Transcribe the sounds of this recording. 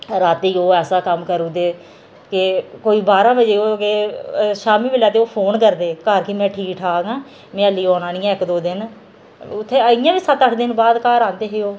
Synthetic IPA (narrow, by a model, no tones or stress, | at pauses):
ɾaːt̪iːoːɛːsaːkəmkəɾuːd̪eː | kɪkoːiːbaːɾãːbəd͡ʒeːoːkeʃaːmiːʋɪlaːt̪eːoːpʰoːnkəɾd̪eːkaːɾkimɛ̃ːʈʰiːkʈʰaːɡãː | mɛ̃ːəliːoːnãːnĩːɪkd̪oːd̪ɪn | ʊt̪ʰːeːəɪjãːʋiːsət̪əʈʰd̪ɪnbaːd̪kaːɾãːnd̪eːɦeoː